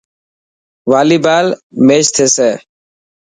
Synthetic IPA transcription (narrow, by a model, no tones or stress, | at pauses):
ʋaːliːbaːlmeːt͡ʃt̪ʰeːseː